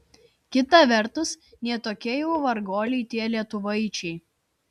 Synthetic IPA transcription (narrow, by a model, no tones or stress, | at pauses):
kʲɪt̪ɐˑʋʲɛɾt̪ʊs | nʲiɛt̪oːkʲiɛjɛʊʋɐɾɡoːlʲɛɪt̪ʲiɛlʲiɛt̪ʊʋɐɪt͡ʃʲɛɪ